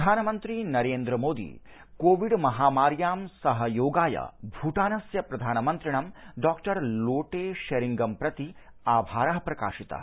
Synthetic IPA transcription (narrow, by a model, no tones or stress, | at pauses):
aːnɐmɐnt̪ɾinɐɾeːnd̪ɾɐmoːd̪ḭ | koːʋiɖmɐɦaːmaːɾjaːmsɐɦɐjoːɡaːjɐ̰bʱuːʈaːnɐsjɐpɾɐd̪ʱaːnɐmɐnt̪ɾiɳɐmɖaːkʈɐɾloːʈeːʃɐɾiŋɡɐmpɾɐt̪i | aːʋbʱaːɾɐɦɐpɾɐka̰ːʃit̪ɐ̰